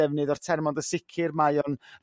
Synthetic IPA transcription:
ɛvnɨðɔr̥tʰɛrmɔndəsɪkʰɨrmajɔnr

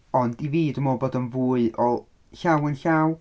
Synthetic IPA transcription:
ɔndiviːdəmoːbɔdənvuːɨʔɔlˠ | ɬawənɬaw

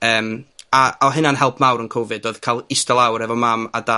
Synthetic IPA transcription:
əːmaɔɦɪnanɦɛlˠpʰmawɾənkʰovɨdoɨð̥kʰalˠɪstɛlˠawɾɛvɔmaːma̰da

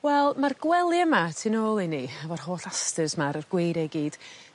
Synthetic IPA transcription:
wɛlˠmarɡwɛlˠiəmatʰinoːlˠiniavɔr̥hoːɬastəzmaɾərɡ̥wejɾɛɡiːd̥

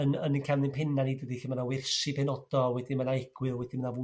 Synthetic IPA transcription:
ənənnkʰamnɨnpʰɪnanidəðixəmanawɪrsipʰɛnɔd̥ɔwɛdimanaɛɡ̥wɨlˠwɛdimənavu

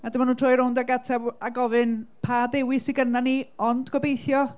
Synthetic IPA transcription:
adəmanuːntʰrɔːjɾʊwndaɡatʰɛbaɡɔvɨnpʰaðɪwɪsiɡənaniɔndɡɔbejθjɔ

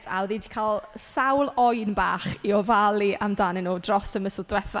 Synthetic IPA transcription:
tʰa̰wðidikʰaːlˠsawlˠɔjnbaːχiɔvalˠiʔamdaːnɪnuːdrɔsəməsəlˠdwɛθa

